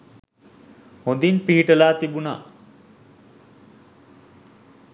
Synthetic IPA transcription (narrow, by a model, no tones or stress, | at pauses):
hõd̪inpiɦiʈəlaːt̪ibuna̰